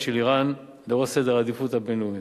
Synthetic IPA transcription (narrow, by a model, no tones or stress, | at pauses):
ʃeliʁan | leosed̪eʁad̪ifut̪habenuj